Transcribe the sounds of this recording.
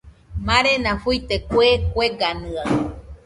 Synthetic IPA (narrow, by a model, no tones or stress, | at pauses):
mãɾenãfujt̪ekwekʷeɡanɨa